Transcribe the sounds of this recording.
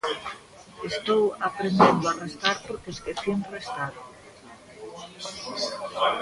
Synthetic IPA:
est̪owapɾend̪end̪oarest̪aɾpoɾkeskeθjenrest̪aɾ

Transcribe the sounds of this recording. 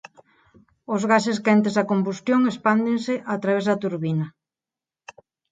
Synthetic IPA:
ʊzɣaseskɛnt̪ezðɐkombust̪joŋespand̪ɪnsɪʔat̪ɾaβezðɐt̪uɾβinɐ

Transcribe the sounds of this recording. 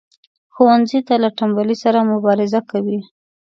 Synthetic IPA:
xowanzit̪alaʈambalisaɾamʊbɑɾɪzakawi

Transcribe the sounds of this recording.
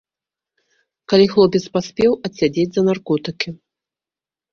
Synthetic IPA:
kalʲixlˠɔpʲɛt̪spasʲpʲɛwɐsʲːad͡zʲed͡zʲzɐnarkɔt̪ɨkʲi

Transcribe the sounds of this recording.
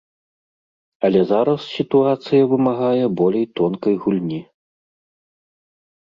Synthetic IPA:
ɐlʲɛzaɾɐssʲit̪uat̪sɨjɐvɨmaɣajɛbɔlʲejt̪ɔnkɐjɣulʲnʲi

